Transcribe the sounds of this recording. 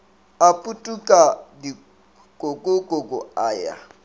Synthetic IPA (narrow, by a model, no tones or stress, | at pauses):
apʼutʼukʼadi | kʼokʼokʼokʼɔaːja̰